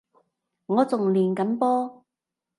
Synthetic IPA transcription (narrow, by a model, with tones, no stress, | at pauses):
ŋɔː˨˧t͡sʊ˨ŋliː˨˩nkɐ˨˥mpɔː˥